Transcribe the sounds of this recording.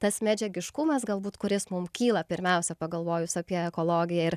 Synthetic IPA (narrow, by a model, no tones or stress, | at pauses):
t̪ɐsmʲæd͡ʒʲɛɡʲɪʃkʊmɐsɡɐlˠbuːt̪kʊɾʲɪsmʊmkʲiːlˠɐpʲɪɾʲmʲɛʊsʲɛpɐɡɐlˠʋoːjʊsɑpʲiɛɛkoːlˠoːɡʲɪjɛɪɾ